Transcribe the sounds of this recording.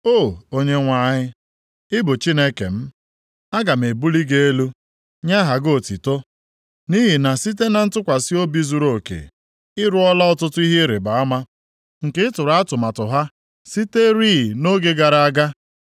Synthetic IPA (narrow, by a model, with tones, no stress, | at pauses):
o˦˨o˦ɲe˦ŋʷa˨˦˨ɲɪ˦ | ɪ˦bʊ˨t͡ʃi˦ne˦kḛ˨m̩˦ | a˦ɡa˨m˨e˨bu˦li˦ɡe˦e˦lu˦ | ɲa˦ɦa˨ɡo˦˨ti˨to˦ | ni˦ɦi˨na˨si˦t̬e˦na˨n̩˦tʊ˦kʷa˨si˦o˦bi˦zu˨˦ɾo˨kḛ˨ | ɪ˦ɾʊ˦ɔ˦la˦ɔ˨tʊ˦tʊ˦i˦ɦe˦ɾe˨ba˨a˦ma˦ | ŋ̩˨kɪ˦ɪ˦tʊ˨ɾa˦a˦tʊ˨ma˨tʊ˨ɦa˦ | si˦te˦ɾiː˦˨no˦ɡe˦ɡa˨ɾa˨a˦ɡa˦